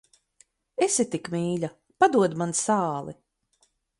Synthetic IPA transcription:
esit̪ikmiːʎʲa | pad̪uɔd̪mansaːlˠḭ

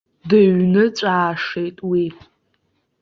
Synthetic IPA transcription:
dɨɥnɨt͡sʷʼaːʂejtʼwi

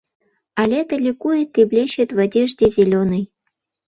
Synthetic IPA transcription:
alʲet̪əlʲɪkujet̪ːeblʲeɕet̪vadʲeʐdʲezʲelʲonɨj

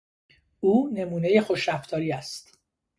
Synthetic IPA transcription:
uːne̞muːne̞je̞xo̞ʃɾæft̪ʰɒːɾiːæst̪

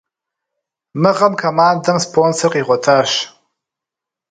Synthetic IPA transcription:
mɨʁɐmkʰomaːndɐmspʰoːnsɐrqʼiːʁʷɔtʰaːʃ

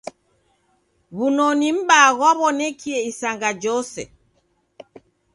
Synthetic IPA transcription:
βunɔnim̩baɣwaβɔnɛkʰiɛisaŋɡad͡ʒɔsɛ̰

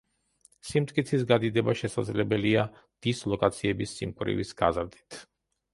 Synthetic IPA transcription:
simt̪ʼkʼit̪sʰisɡad̪id̪ɛbaʃɛsad̪zlɛbɛlia | d̪̥islˠɔkʼat̪sʰiɛbisːimkʼwɾḭvisɡ̥a̰zɾd̪it̪ʰ

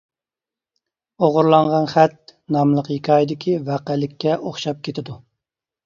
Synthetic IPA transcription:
oʁʊɾlˠɑŋʁɑnχæt̪̚nɑmlˠəqjikʰʲɑːjid̪ɪkʲʰivæqælɪkʲʰːɛʔoχʃɑp̚kʲʰet̪ʰɪd̪u

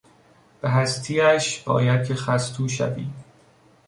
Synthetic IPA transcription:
b̥eɦæst̪ʰiːæʃb̥ɒ̰ːjæd̪̚kʰexæst̪ʰuːʃæ̰vḭː

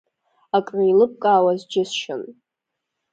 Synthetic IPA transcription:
akʼriilɨp̚kʼaːwazd͡ʒɪsʃɪ̰n

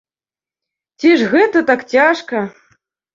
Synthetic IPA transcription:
tʲiʂɣɛt̪ɐt̪akt͡ɕʲaʂkɐ

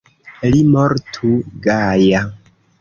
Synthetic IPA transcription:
limoɾtʰuɡaja

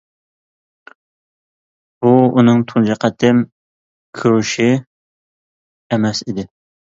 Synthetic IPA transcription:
b̥uunɨŋt̪ʰund͡ʒɑqɛt̪ʰɪm | kʲʰøwʃi | emɛsid̪ɪ

